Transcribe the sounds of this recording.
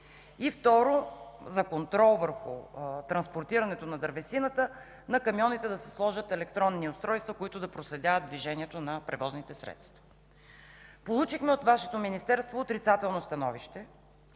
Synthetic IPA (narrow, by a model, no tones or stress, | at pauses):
ift̪ɔɾozɐkont̪ɾɔlˠvəɾxṵt̪ɾɐnspoɾt̪iɾɐnɛt̪onɐd̪ɐɾvɛsinət̪ə | nɐkɐmjɔnit̪ɛd̪ɐsɛ̥slˠɔʒət̪ɛlɛk̚t̪ɾɔnːiost̪ɾɔjst̪vəkoit̪ʊd̪ɐpɾoslɛd̪ʲavətd̪̚d̪viʒɛniɛt̪onɐpɾɛvɔznit̪ɛsɾɛ̰t̪st̪vɐ̥ | polˠut͡ʃixmɛot̪vaʃɛ̥t̪ominist̪ɛɾst̪voːt̪ɾit̪sat̪ɛlˠnost̪ɐnɔviʃt̪ɛ